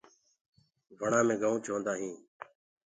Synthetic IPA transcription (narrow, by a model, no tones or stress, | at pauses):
ʋəɳãːmẽːɡaːũːt͡ʃʰõːnd̪aːɦĩː